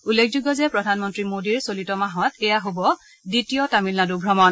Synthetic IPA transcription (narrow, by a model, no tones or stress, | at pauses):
ulːekʰd͡ʒuɡɔzɛpɹɔdʱanmɔntɹimodiɹsolitɔmaɦɔtɛjaɦobɔ | ditijɔtamilnadubʱɹɔmɔn